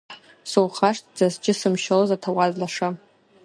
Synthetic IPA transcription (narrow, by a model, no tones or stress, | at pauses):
sowχaʂtʰd͡zazd͡ʒɪsɨmʃalozatʰawazlaʂa